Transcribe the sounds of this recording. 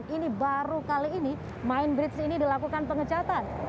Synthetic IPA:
ninibaɾukaliːni | maɪnbɾɪt̪sinidilakukanpəŋət͡ʃat̪an

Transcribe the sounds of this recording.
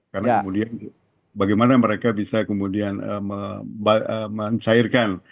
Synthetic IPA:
karnakmudian | baɡajmanaməɾekabisakəmudianə̰məbaəməɲt͡ʃaɪrkan

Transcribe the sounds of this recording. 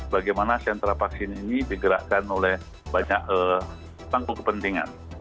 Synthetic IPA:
baɡajmanasɛnt̪ɾapaksɪninidiɡəɾa̰ʔkanolɛh | baɲak̚ə | t̪aŋkukəpənt̪iŋa̰n

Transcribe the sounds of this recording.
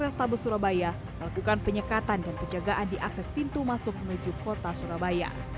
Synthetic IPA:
ɾɛst̪abʊsuɾabaja | məlakukanpəɲəkat̪andanpəɲd͡ʒaɡaʔandiʔaksɛspint̪umasʊk̚mənud͡ʒukot̪asuɾabaja̰

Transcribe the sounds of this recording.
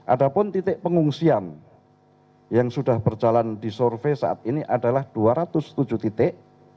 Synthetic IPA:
ʔa̰dapʊnt̪it̪ɪʔpəŋuŋsian | jaŋsudahb̥ərd͡ʒalandisɔrfesaʔa̰t̪̚iniʔadalahd̥uaɾat̪ʊst̪ud͡ʒut̪it̪ɪʔ

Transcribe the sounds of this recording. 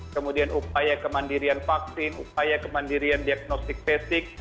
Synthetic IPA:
kəmudianupajakəmandiɾianfak̚sɪnṵpajakəmandiɾiandiaɡ̚nɔst̪ɪk̚pɛsɪk̚

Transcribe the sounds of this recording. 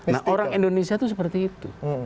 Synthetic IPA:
na̰ʔoɾaŋindonesiat̪us̬əpərt̪iːt̪ṵ

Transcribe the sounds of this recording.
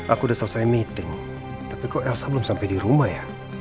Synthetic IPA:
akudasalsajmit̪ɪŋ | t̪apikoʔɛlsablʊmsampajdiɾumahja

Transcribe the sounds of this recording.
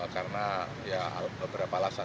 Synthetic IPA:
karəna | ja̰bəbəɾapalasa

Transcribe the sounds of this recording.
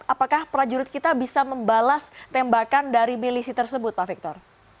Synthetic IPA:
ʔapakahpɾad͡ʒuɾʊt̪̚kit̪abisaməmbalast̪ɛmbakandaɾimilisit̪ərsəbʊt̪̚pafik̚t̪ɔr

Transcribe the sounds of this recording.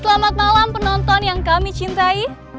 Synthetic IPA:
səlamat̪̚malampənɔnt̪ɔnjaŋkamit͡ʃint̪ai

